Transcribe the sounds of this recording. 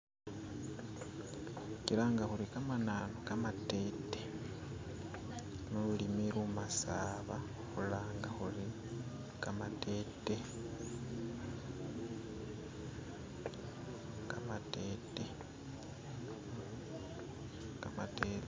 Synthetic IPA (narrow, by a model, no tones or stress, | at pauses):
ciɾaŋɡaxulikamananokamate̞ːte | nolulimeɾumasaːβa | xulaːŋɡaxuli | kamate̞ːte | kamateːte | kamateːt